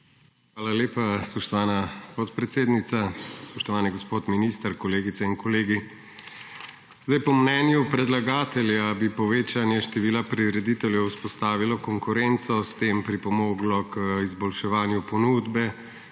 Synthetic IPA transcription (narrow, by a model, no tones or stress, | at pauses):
xʋaːlaleːpaspɔʃt̪ɔʋaːnapɔt̪pɾɛt̪seːd̪nit̪saspɔʃt̪ɔʋaːnɛɡɔspoːt̪minist̪əɾkɔleːɡit̪sɛinkɔleːɡi | zd̪ajpɔmnɛːnjupɾɛd̪laɡaːt̪ɛljabipɔʋeːt͡ʃanjɛʃt̪ɛʋiːlapɾiɾɛd̪it̪ɛljɛwspɔst̪aːʋilɔkɔŋkuɾɛnt̪sɔst̪eːmpɾipɔmoːɡlɔkizbɔlʃɛʋaːnjupɔnuːd̪bɛ